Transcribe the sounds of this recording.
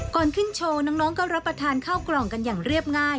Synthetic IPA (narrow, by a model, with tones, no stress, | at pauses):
kɔː˨˩nkʰɯ˥˩nt͡ɕʰoː˧na˦˥ŋnɔː˦˥ŋkɔː˥˩ɾa˦˥pːɾa˧t̪ʰaː˧nkʰaː˥˩wklɔː˨˩ŋka˧njaː˨˩ŋɾi˥˩əp̚ŋaː˥˩j